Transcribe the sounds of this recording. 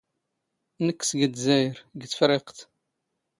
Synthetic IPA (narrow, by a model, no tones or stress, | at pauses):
nəkːsɡəd̪zæjɾɡt͡sːfɾɪqt̪